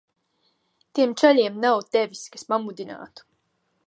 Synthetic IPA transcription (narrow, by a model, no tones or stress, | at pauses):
t̪iɛmt͡ʃaʎʲiɛmnawt̪ɛvʲiskaspamud̪ina̰ːt̪u̥